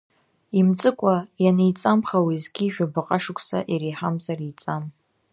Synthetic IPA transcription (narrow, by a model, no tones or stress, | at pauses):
imt͡sʼɨkʷʼajanejt͡sʼamχawizɡʲiːʒᶣabaqʼaʂɨkʷʰʼsa̰ʔiɾiħamzarit͡sʼam